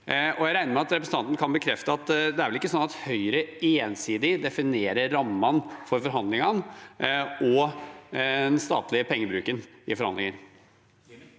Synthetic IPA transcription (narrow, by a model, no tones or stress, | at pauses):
ʔɔjæɪɾæɪnəɾmɛɑt̪ɾɛpɾsn̩t̪ɑnt̪ənkʰɑnbəkʰɾɛft̪əɑt̪d̪ɛæɾʋɛlɪkːəsɔnːɑt̪hœʏɾəeːnsiːd̪ɪd̪ɛfɪneːɾəɾːɑmːɑnfɔɾfɔɾɦɑnd̪lɪŋɑn | ɔ | ɛnst̪ɑ̰ːt̪lɪəpʰɛŋːəbɾʉːkənɪfɔɾhɑ̰nd̪ɪŋəɾ